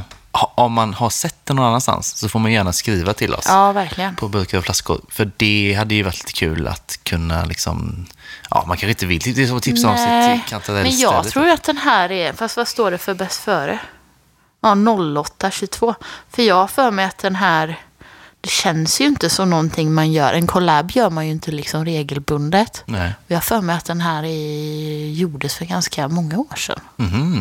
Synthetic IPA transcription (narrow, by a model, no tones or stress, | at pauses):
hʔɔmːanhasɛt̪ːɛnːɔnanːanst̪a̰nsːɔfoːɾmanjjæːɳaskɾiːvat̪ʰɪlʔɔ̰sɑːvæɾkʰlɪɡənpʰɔbɵɾkaɾɔflaskʊ̰ɾfœɖɛɦad̪ːəjɵvaʈʰli̥ːt̪ə̥kʰʉ̟ːla̰t̪kʰɵnːa̰lɪksɔ̰m | ʔɑ̰ːmankʰanɧɪɪnt̪əvɪlt̪ːɪd̪ɛsɔɔt̪ʰɪpssaɔsʰkʰanʰaɾɛmɛnjɑːɡt̪ʰɾuːjat̪̚d̪ɛnɦæːɾɛfast̪vast̪oːɖɛfœɾbɛst̪fœːɾə | ɑnɔlːɔt̪ːaɕɵɡt̪ʰv̥oːfœɾjɑːɡhafœːɾmɛjat̪̚d̪ɛnɦæːɾd̪̥ɛɕɛnsjɵɪnt̪əsɔmnɔnt̪ʰɪŋːmanjœ̰ːɾʔɛnkʰɔlaːbjœːɾmanjɵɪnt̪əlɪksɔmɾeːɡəlbɵnd̪ət̪ɔjɑːhfœːɾmɛjat̪̚d̪ɛnɦæːɾɛ | juːɖəsfœɾɡanskamɔŋːaoːʂɛ̰n̩ːh̩